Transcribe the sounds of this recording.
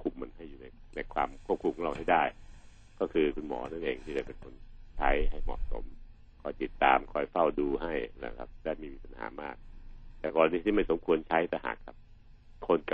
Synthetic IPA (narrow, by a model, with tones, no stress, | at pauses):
kʰu˧mːa˧nɦa˥˩jːuː˨˩na˧jna˧jkʰwaː˧mkʰu˥˩p̚kʰu˧mkɔ˦la˧˩wɦa˥˩jdaː˥˩j | kɔː˥˩kʰɯː˧kʰu˧nmɔ̰ː˩˦nʰa˥˩nʔeː˧ŋt̪ʰiː˥˩a˧˩pe˧nkʰo˧nt͡ɕʰa˦˥jɦa˥˩jmɔ̰˨˩ʔso̰˨˩˦m | kʰɔː˧jt̪i˨˩t̪ːa̰ː˧mkʰɔː˧jfa˥˩wduː˧ɦa˥˩jna̰˦˩kʰa̰˦˥p̚daː˥˩jmiː˧wiː˦˧˩p̚a˧nha̰ː˩˦maː˥˩k̚t̪ɛː˨˩kɔː˧ɾa˧ni˦˥t̪ʰiː˥˩ma˥˩jso˩˦mkʰu˧ənt͡ɕʰa˦˥jt̪ɛː˨˧˩ɦa̰ː˨˩kʰːa˦˥p̚ | kʰo˧nka˨˩